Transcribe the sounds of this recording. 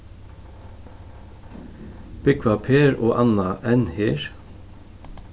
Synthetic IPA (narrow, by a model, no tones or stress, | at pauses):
b̥ɪkʰʋɑpʰeːɾo̰ːʔɑnɑʔɛnhiːɹ